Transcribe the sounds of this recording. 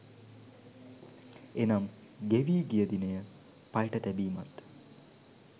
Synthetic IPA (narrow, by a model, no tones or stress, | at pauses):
enam | ɡeʋiːɡijəd̪inəjə | pajʈət̪æbiːmat̪